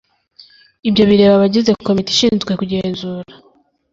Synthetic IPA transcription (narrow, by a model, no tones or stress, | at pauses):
ibjo̞βiɾe̞ːβaβaɟize̞ko̞miti̥ʃiːnzɡwe̞kuɟe̞ːnzuːɾa